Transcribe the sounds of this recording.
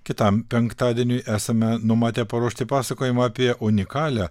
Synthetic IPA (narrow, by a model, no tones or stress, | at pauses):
kʲɪt̪ɐmpʲɛŋkt̪ɑːd̪ʲiɛnʲʊɪʔæːsɐmʲɛnʊmɑːt̪ʲeːpɐɾuɔʃʲt̪ʲɪpɑːsɐkoːjɪmɐɑːpʲiɛʔʊnʲɪkɑːlʲæ